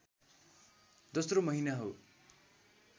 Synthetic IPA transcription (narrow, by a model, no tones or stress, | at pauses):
d̪ʌsromʌɦinaɦo